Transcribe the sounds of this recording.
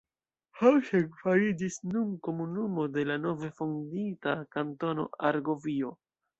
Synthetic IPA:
hawʃeɡfaɾid͡ʒisnunko̞munumo̞de̞lano̞vefonditakanto̞no̞̰aɾɡo̞vio̞

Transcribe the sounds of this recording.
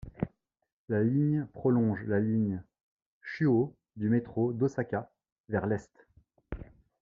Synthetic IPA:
laliɲpχɔlɔ̃ʒlaliɲ | ʃyo | d̪ymet̪χod̪osakʲa | vɛʁlɛst̪

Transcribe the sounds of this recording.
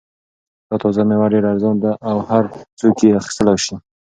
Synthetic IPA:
d̪̥ɑt̪ɑzamewaɖeɾaɾzɑnd̪aʔawhaɾt͡sokeaxi̥st̪əlawʃi

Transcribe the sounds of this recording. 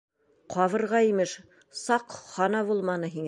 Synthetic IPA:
qʰɑβɤ̆ɾʁɑimɘʃ | sɑqχɑnɑβulˠmɑnɤɦiŋ

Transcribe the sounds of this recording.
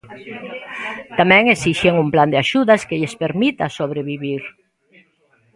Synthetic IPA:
t̪amɛ̃ŋesiʃeŋumpland̪eaʃuðaskeʎespeɾmit̪asoβɾeβiβiɾ

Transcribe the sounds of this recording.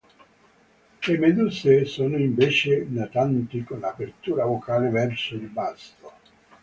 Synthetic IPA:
emed̪usesoːnoiɱveːt͡ʃenat̪ant̪ikonlapert̪uːɾavokaːlevɛrsod̪ibast̪o

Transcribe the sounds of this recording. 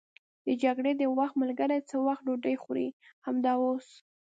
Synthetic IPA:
d̪̥əd͡ʒaɡɽed̪əwaxt̪malɡəɾajt͡səwaxt̪̚ɖoɖəjxuɾḭhamd̪ɑos

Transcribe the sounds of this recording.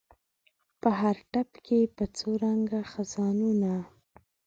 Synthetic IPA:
pəɦaɾʈapkepət͡soɾaŋɡaxazɑnuna

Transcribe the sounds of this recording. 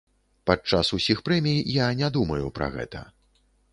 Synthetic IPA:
pat͡ʂːasusʲixpɾɛmʲijjanʲad̪umɐjupɾɐ̰ɣɛ̰t̪ɐ̰

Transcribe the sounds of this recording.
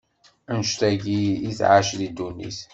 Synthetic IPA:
ənʃt̪æʝiiθʕaʃðid̪unːḭθ

